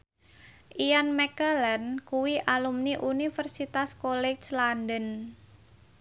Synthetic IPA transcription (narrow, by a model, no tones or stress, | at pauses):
ʔijanmɛkəlɛnkuwiʔalumniʔunifərsit̪askolɛslandən